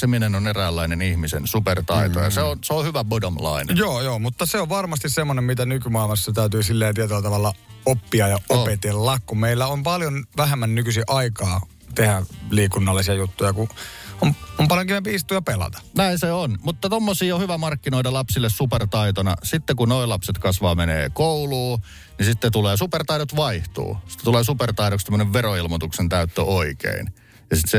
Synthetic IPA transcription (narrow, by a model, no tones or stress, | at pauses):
seminenoneræːlːæinenihmisḛnsupert̪ɑ̰it̪o̰jɑ̰seonseohyʋæbodomlɑ̰inḛjoːjoːmut̪ːɑseoʋʋɑrmɑst̪issemːonemmit̪ænykymɑˑilmɑsːɑt̪æˑyt̪yːsilːeːnt̪iet̪ylːæt̪ɑʋɑlːɑopːiɑjɑʔoopet̪elːɑkkummeilːæompɑljonʋæhemːænnykysiʔɑikɑː | t̪ehæliːkunːɑlːˑisiɑjut̪ːujɑkuomompɑljoŋkimepiist̪uːjɑpelɑ̰t̪ɑ̥næinseonmut̪ːɑt̪omːosiːohyʋæmɑrkːinoitɑlɑpsilːessupert̪ɑit̪onɑ̰sit̪ːekunoilɑpset̪kɑsʋɑːmenḛːkouluː | nisit̪ːet̪uleːsupert̪ɑiɾot̪ʋɑiht̪ṵːsi̥t̪ːet̪uleːsupert̪ɑiɾoksemːøneʋʋeroilmot̪uksent̪æyt̪ːø̰ʔoikḛin | jɑsit̪se